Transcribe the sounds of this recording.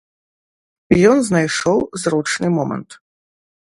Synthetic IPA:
ijɔnznajʂɔwzɾɔt͡ʂnɨmɔmɐ̰nt̪

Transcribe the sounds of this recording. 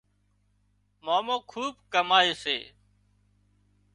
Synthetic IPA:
maːmõːkʰuːb̚kəmaːeːsḛː

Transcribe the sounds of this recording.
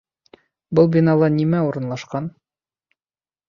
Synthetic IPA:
bɤlˠbʲinalˠɤnimæuɾɤ̆nlˠɑʃqɑn

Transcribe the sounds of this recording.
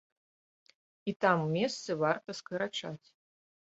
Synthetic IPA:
it̪amwmʲɛst̪sɨvart̪ɐskɨɾat͡ʂat͡sʲ

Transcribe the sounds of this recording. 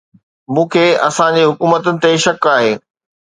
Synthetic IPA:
mũːkʰeːʔɐ̰sãd͡ʑeɦʊkuːmət̪ʊnɪ̆t̪eʃɐkaːɦeː

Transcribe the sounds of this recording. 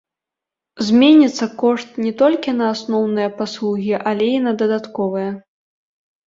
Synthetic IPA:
zʲmʲenʲit̪sːɐkɔʂt̪̚nʲɛt̪ɔlʲkʲinɐːsnɔwnɨjɐpaslˠuɣʲiʔɐlʲeinɐd̪ɐd̪at̪kɔvɨjɐ

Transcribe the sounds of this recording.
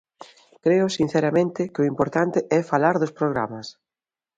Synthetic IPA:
kɾeʊsin̟θɛɾamẽnt̪ɪkɪʊimpoɾt̪ant̪ɪʔɛfalaɾðʊspɾoɣɾamas

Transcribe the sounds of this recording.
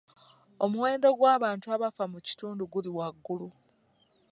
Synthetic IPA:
o̞muwe̞ːndo̞ɡwaːβaːntuaβafamuci̥tuːnduɡuliwaɡːulu

